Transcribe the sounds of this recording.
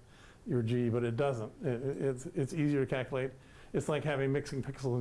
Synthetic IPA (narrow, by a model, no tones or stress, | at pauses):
jə˞d͡ʒibʌɾɨt̚d̥ʌzə̃nt̚ɪɪtsɪtsiziə˞ɾɨkʰælˠkjəleɪɾ | ɨtslaɪkɦævɪ̃ŋmɪksɪ̃ŋpʰɪksl̩ˠə̃